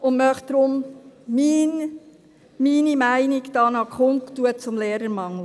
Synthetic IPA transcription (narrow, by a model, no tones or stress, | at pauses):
ʊnmœχd̪̥ɾʊmmiːn | miːnimæɪniɡd̥ɑːnɑkʰχʊnktuət͡sʊmleːɾəɾmɑŋlə